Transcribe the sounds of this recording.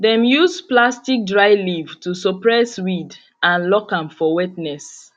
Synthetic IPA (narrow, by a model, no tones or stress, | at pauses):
dɛ̃mjuzplastik̚dɹaɪlivtusɔpɹɛswid | ãnlɔkãmfɔwɛtnɛs